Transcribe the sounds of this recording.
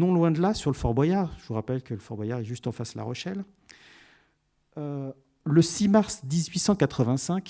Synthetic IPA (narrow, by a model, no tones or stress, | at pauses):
nɔ̃lwɛ̃d̪lasyʁləfɔʁbwajaʁʒəvuʁapɛlkələfɔʁbwajaʁɛʒyst̪ɑ̃fasala̰ʁɔʃɛl | ø | ləsimaʁsd̪izɥisɑ̃kat̪χəvɛ̃sɛ̃kʲ